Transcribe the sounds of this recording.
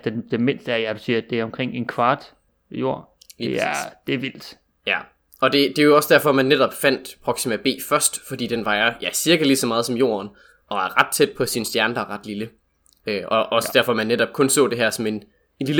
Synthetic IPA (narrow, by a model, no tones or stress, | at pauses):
d̥ed̥eme̝nsd̥əæɐjapʰsḭæd̥e̝æɐɒ̽mkʰʁeŋ̰e̝nkʰʋɑ̈ːd̥ | jo̝̰ɐ̰ | li̥ːsæiɐ̰d̥e̝æɐʋil̰d̥ | jæ | ɒ̽d̥e̝d̥e̝ɒ̽səd̥æɐfɒ̽mænːeɾ̥ɒ̽b̥fæn̰d̥pʰʁɒɡ̥simæb̥e̝̰ːfɶɐsd̥fɒ̽d̥ḭːd̥enʋɑ̈ɪɐjæsiɐɡ̥ɐlisɒ̽mɑ̈ːð̞ˠsɒ̽mjo̝̰ːɐn | ʔɒ̽æɐʁɑ̈d̥̚t͡sʰed̥̚pʰɒ̽sinəsd̥jæɐnəd̥ɑʁɑ̈d̥lilə | øʔɒʔɒ̽sədæɐ̰fɒ̽mænːeɾɒ̽b̥̚kʰɔ̽nsɔ̰̽ːd̥e̝ɦæɐ̰sɒ̽me̝n | enlilə